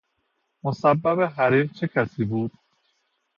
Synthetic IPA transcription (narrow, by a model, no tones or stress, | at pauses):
mosæbːæbeɦæɾiːɾt͡ʃʰe̞cʰæsiːbuːd̪̥̚